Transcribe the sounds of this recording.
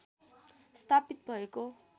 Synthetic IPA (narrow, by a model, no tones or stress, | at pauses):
st̪ʰapit̪̚bʱʌeko